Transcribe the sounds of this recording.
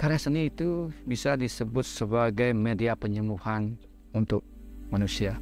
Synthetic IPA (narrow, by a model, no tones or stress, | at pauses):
kaɾasəniːt̪ubisadisəbʊt̪̚səbaɡajmediapəɲəmuhan | unt̪ʊk̚manusia